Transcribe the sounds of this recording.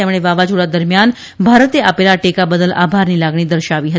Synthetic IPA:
ɛmɭ̃eʋaʋad͡ʑuɽad̪əɾmjan | bʱaɾət̪eapelaʈekabəd̪əlʔa̰bʱaɾniːlaɡɳ̃iːd̪əɾɕaʋiːɦə

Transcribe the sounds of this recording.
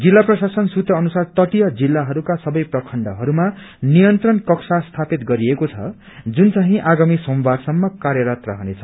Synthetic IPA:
d͡zilːaprʌsasʌnsut̪ʌːnusart̪ʌʈijʌd͡zilːaɦʌɾukasʌbʌjprʌkʰʌɳɖʌɦʌɾuma | nijʌnt̪rʌnkʌksast̪ʰapit̪ɡʌɾiekot͡sʰʌ̰ | d͡zunt͡saɦĩʔaɡamisombarsʌmːʌkaɾjʌɾʌt̪rʌ̰ɦʌnet͡sʰʌ̥

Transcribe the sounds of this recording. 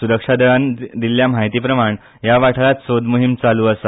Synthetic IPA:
suɾəkʂad̪ʱəɭand̪iljam̤aɦit̪iːpɾəmaɳ | jaʋaʈʰlat̪sod̪muɦimt͡saluːəsa

